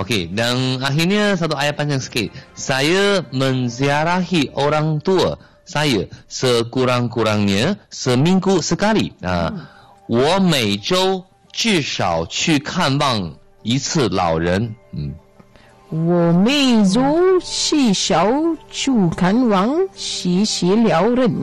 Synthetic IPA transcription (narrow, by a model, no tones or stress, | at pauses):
okʰedanaɦiniəsat̪uʔajapãnd͡ʒaŋsə̥ket̚sajəmə̃nzijaɾaɦiʔoɾaŋt̪uə | sajəsəkuɾaŋkuɾaŋniəsəmĩŋkusəkalia̰ | wɔmejʈ͡ʂoʊ | t͡ɕyʂɑʊt͡ʃʰykʰanwɑŋ | it͡s̩ʰlɑ̰ʊwɻən̩ | wɔmezɔt͡ɕiɕɑʊt͡ʃʰukʰanwaŋɕɛɕɛljaʊɾən